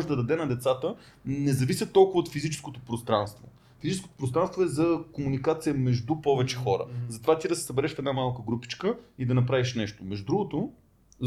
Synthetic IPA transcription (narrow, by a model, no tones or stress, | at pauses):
ʒɛd̪ɐd̪ɐd̪ɛnɐd̪ɛt̪sat̪ə | nɛzɐvisʲət̪ːɔlˠkʊvəot̪fizit͡ʃɛ̥skot̪opɾost̪ɾanst̪vo̰ | fizit͡ʃɛsko̥t̪o̥pɾost̪ɾanst̪voɛzɐkomunikat̪sijəmɛʒd̪upɔvɛt͡ʃɛxɔɾə̰zɐt̪ovat̪ʲid̪ɐsɛ̥sɐbɛɾɛʃfɛd̪namalˠkəɡɾupi̥t͡ʃkəid̪ɐnɐpɾaviʃnɛʃt̪omɛʒd̪ud̪ɾuɡot̪o